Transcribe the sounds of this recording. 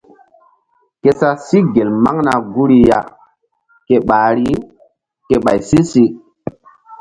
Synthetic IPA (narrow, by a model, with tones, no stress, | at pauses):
ke˨sa˦si˦ɡe˨lma̰˦ŋna˨ɡu˦ɾi˦ja̰˦ | ke˨ɓaː˨ɾi˦ | ke˨ɓa˨jsi˦si˦